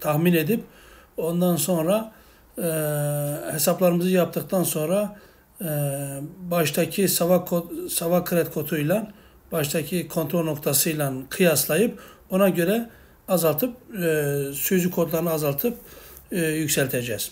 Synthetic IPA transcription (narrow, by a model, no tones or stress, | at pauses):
t̪ʰaxmine̞d̪ip | o̞nd̪anso̞nɾa | he̞saplˠaɾɯmɯzɯjap̚t̪ʰɯk̚t̪ʰanso̞nɾa | baʃt̪ʰacʰisavakʰosavakʰːɯɾɛt̪kʰo̞t̪ʰujlˠan | b̥aʃt̪ʰacʰikʰo̞nt̪ʰɾolʲno̞kt̪ʰasɯjlˠankʰɯjaslˠajɯpo̞naɟø̞ɾɛ | azalˠt̪ʰɯp̚ | syzykʰo̞d̪lˠaɾɯnɯazalˠt̪ʰɯpː | jycsɛlʲt̪ʰed͡ʒɛz̥